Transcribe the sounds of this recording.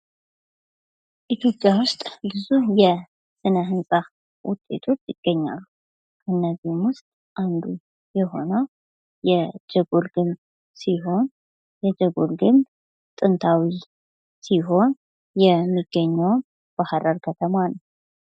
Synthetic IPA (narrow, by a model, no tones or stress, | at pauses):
ʔit̪ʰjo̞pʼjawʊst̪ʼbɨzuhjɛ | sɨnəɦɨnsʼa | wʊ̰t̪ʼːe̞̰t̪ʰo̞t͡ʃːjɪɡ̥ːəɲːa̰lːu | kʰɨnːəzihmwʊst̪ʼ | ʔand̪u | jɛɦo̞̰nəw | jɛd͡ʒɛɡolɡɨn | siɦo̞n | jɛd͡ʒəɡolɡɨn | t̪ʼɨnt̪ʰawi | siɦo̞n | jɛmːiɡ̥ːəɲːəwn | b̥ahɾaɾkʰət̪ʰəmanəw